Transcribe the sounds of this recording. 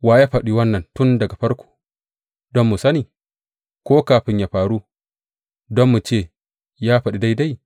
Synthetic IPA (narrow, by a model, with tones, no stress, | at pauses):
waː˦jaː˦ɸɐ˨ɗiː˦wɐ˦nːɐ˨ntʊ˦ndɐ˨ɡa˨ɸɐ˦ɾkʰʷo̥ː˨ | dɔ˦mːu˨sɐ˦niː˨ | kʷoː˦kaː˨ɸɪ˦ɲjaː˨ɸaː˨ɽuː˦ | dɔ˦mːu˨t͡ʃeː˦˨ | jaː˦ɸɐ˨ɗi˦da˦jda˦j